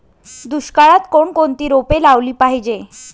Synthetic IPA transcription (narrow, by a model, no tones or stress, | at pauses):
d̪uɕkaɭat̪koɳkont̪iːɾopelaʋliːpaɦid͡ʑe